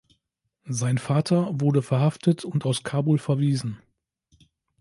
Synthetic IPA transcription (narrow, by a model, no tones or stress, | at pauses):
zaɪnfaːtʰɐvʊɐdəfɛɐɦaftʰətʰʊntaʊskʰaːbulfɛɐviːzn̩